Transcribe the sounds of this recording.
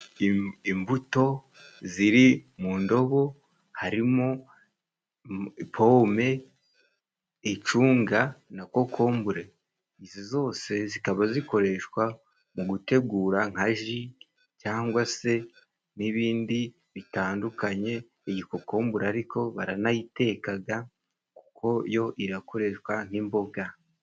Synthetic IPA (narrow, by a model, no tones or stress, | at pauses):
imbuto̞ | ziɾimuːndo̞βo̞ | haɾimo | pʰo̞ːme̞ | t͡ʃuːŋɡanako̞kʰo̞ːmbuɾe | izizo̞ːse̞zikaβaziko̞ɾe̞ʃwa | muɡute̞ɡuːɾaŋ̥haʒi | caːŋɡwase̞ | niβiːndi | βitaːndukaɲe̞ː | ɟiko̞ko̞ːmbuɾeaɾikʰo̞βa̰ɾanajite̞ːkaɡa | ku̥kʰo̞jo̞ʔiɾako̞ɾe̞ʃkwaŋ̥imbo̞ɡa